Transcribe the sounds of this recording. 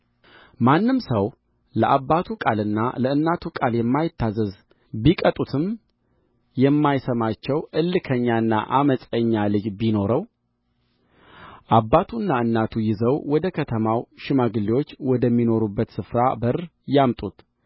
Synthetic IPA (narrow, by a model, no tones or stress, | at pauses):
manːɨmsəw | ləʔabːat̪ʰukʼalɨnːa̰ləɨnːat̪ʰukʼaljɛmːajɪt̪ːazəz | bikʼət̪ʼut̪ʰɨm | jɛmːajsəmat͡ʃːɛwʔɨlːɨkʰəɲːaɨnːa̰ʔaməsʼəɲːalɨd͡ʒbino̞ɾəw | ʔabːat̪ʰunːaɨnːat̪ʰujɪzəwwɔd̪əkʰət̪ʰəmawʃɪmaɡɨlːiwot͡ʃːwɔd̪əmːino̞ɾubːət̪sɨfɾabərjamt̪ʼut̪